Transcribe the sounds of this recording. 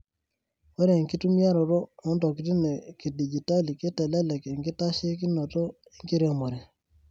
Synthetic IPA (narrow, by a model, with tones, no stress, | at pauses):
wo˦ɾe˨ŋki˦tu˦mja˦ɾo˨ɾo˦o˦nto˨ki˦ti˦ne˨ki˨di˨d͡ʒi˨ta˦li˨ke˦tɛ˨lɛ˦le˨ke˨ŋki˦ta˦ʃe˦ki˦no˨to˦ | e˦ŋki˦ɾo˦mo˨ɾe˨